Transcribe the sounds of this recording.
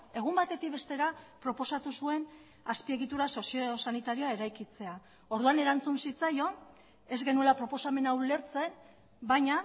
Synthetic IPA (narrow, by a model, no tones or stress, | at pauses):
e̞ɣ̞umbat̪e̞t̪ikβe̞st̪e̞ɾapɾo̞po̞sat̪usue̞n | aspie̞ɣit̪uɾaso̞siosanit̪aɾio̞ae̞ɾajkit͡se̞a | o̞ɾðuane̞ɾant͡sunsit͡sajo̞ | e̞zɣe̞nue̞lapɾo̞po̞same̞naule̞ɾt͡se̞n | bajɲa